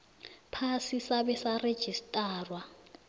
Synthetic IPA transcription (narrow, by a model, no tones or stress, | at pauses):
pʰasisaβɛsared̥ʒ̥ʱistʼaːrwa